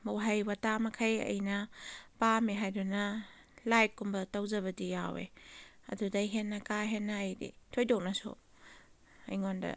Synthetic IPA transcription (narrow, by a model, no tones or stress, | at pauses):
mowɦajwatamɐkʰɐjɐ̰jnɐpamiɦajdunɐ | lajt̚kumbɐtɐwzɐβɐdijawḛ | ɐ̰dudɐjɦenːɐkaɦenːɐːjdḭtʰojdok̚nɐso̰ | ɐ̰jŋondɐ̰